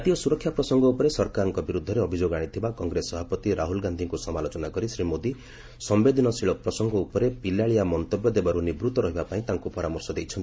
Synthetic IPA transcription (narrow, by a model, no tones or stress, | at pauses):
t̪ijɔsuɾɔkʰːjapɾɔsɔŋɡɔupɔɾesɔɾkaɾɔŋkɔbiɾud̪ʱːɔɾeɔbʱid͡ʒoɡaɽ̃it̪ʰibakɔŋɡɾesɔbʱapɔt̪iɾʔaɦulɡand̪ʱiŋkusɔmalot͡ʃɔnakɔɾisɾimod̪i | sɔmbed̪ʱinɔsiɭɔpɾɔsɔŋɡɔupɔɾepilaɭijamɔnt̪ɔbjɔd̪ebaɾunibɾut̪ɔɾɔɦibapaĩt̪aŋkupɔɾamɔɾsɔd̪ejt͡ʃʰɔnt̪i